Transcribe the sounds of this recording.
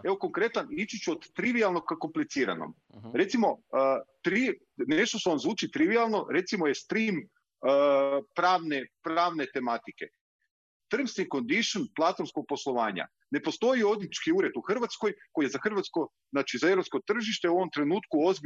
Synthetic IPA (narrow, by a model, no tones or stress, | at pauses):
e̞ʋoko̞ŋkɾe̞t̪anit͡ʃut͡ɕuod̪t̪ɾiʋialˠno̞kako̞mplit̪siːɾa̰no̰m | ɾe̞t̪simo̞t̪ɾi | ne̞ʃt̪oseonzʋuːt͡ʃit̪ɾiʋialˠno̞ɾe̞t̪simo̞je̞st̪ɾimː | pɾaːʋnepɾaːʋne̞t̪e̞mat̪ike̞̰ | t̪r̩mst̪iŋko̞nd̪iʃonplˠat̪fonskoɡ̚po̞slˠo̞ʋaːɲa̰ | ne̞post̪o̞io̞d̪it͡ʃkiuːɾe̞t̪uxrʋat̪sko̞jkojezaxr̩ʋat̪sko̞ | znaːt͡ʃizaeɾopsko̞t̪r̩ʒiʃt̪euoʋo̞mt̪ɾe̞nuːt̪kuozb